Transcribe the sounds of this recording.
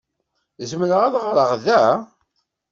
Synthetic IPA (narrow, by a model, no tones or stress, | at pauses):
zmnəʁæðʁɾˤəʁðæ